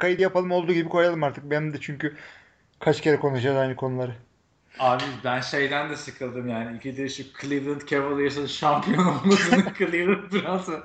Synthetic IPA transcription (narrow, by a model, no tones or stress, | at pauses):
kajid̪ʲjapalˠɯmo̞lˠd̪uːɟibikʰo̞jalˠɯmaɾt̪ʰɯk̚benimd̪ɛt͡ʃʰyɲcy | kʰat͡ʃcʰe̞ɾɛkʰo̞nuʃad͡ʒazajnɯkʰo̞nulˠaɾɯ | aːbibænʃe̞jd̪ænd̪ɛsɯkʰɯlˠd̪ɯmjaːniicʰid̪ɛʃukʰlʲˠivlˠɯnt̪cʰevlˠajɯs̬anɯʃampʰijonolˠmasɯnɯkʰɯlˠɯjɯlˠɯmbiɾat̪a